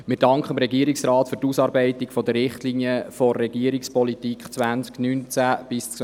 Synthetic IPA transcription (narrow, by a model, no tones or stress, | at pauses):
mɪɾd̥ɑŋkχəmɾɛɡiəɾiksrɑːtfʏɾtusɑːɾbɛɪtɪɡfɔdərːɪχtliːniəfɔːɛɡ̥iəɾikspɔlitiːkχt͡sʋænt͡sknyːnt͡sæb̥ɪst͡s